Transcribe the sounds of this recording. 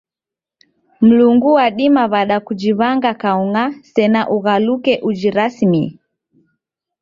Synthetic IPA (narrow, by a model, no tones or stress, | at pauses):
m̩luŋɡuwaɗimaβaɗakud͡ʒiβaŋɡakauŋasɛnaʔuɣalukɛʔud͡ʒiɾasmi